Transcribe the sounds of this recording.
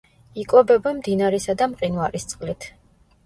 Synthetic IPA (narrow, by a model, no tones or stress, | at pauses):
ikʼɔbɛbɛmd̪inaɾɛsad̪amqʼinvaɾist̪sʼqʼlit̪ʰ